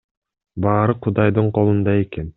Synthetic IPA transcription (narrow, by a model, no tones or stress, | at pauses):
bɑːɾɯqʰud̪ɑjd̪ɯɴqʰo̞lˠund̪ɑe̞ke̞n